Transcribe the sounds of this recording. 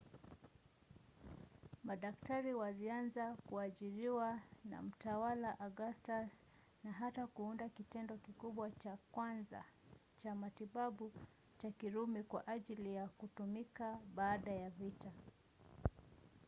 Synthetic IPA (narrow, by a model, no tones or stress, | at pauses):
maɗaktaɾiwalianzakuaʄiɾiwana̰m̩tawalaʔaɡastas | naɦatakuundakitɛndɔkikuɓwat͡ʃakwanza̰ | t͡ʃamatiɓaɓu | t͡ʃakiɾumikwaʔaʄilijakutumikaɓaːɗajavita